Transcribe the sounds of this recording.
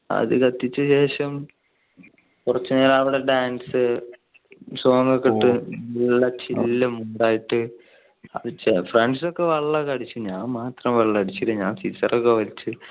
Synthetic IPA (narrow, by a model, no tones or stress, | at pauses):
ɐ̰ðɨkɐt̪ːit͡ɕːɨɕe̞ːʂɐm | kurɐt͡ɕːunaːlɐʋiɽe̞ɖaːnsɨ | soːŋɡɐkːeʈːɨilːɐt͡ɕilːɐmuɳɖaːjiʈːɨ | ɐ̰ðɨt͡ɕefreɳɖso̞kːe̞ʋɐɭːɐkɐɽit͡ɕːuɲaːnmaːt̪rɐmʋɐɭːɐkɐɽit͡ɕːiʈːɨɲaːnsisɐ̰rokːeʋɐlit͡ɕːɨ